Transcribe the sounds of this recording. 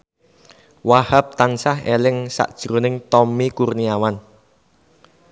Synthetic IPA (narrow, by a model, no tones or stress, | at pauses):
wahap̚t̪ansaɦelɪŋsa̰ʔd̥ʒ̥ɾonɪŋt̪ɔmikurniawan